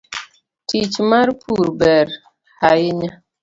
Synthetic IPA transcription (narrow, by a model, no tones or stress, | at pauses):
tʰit͡ʃmaɾpʰuɾbɛɾ | hajiɲa